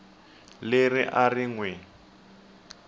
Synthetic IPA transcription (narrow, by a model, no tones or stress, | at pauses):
leriʔariŋwɛ